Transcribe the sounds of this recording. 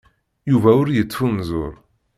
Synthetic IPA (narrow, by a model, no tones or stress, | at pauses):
juvæʊɾjət͡sːfunzʊ̰ɾˤ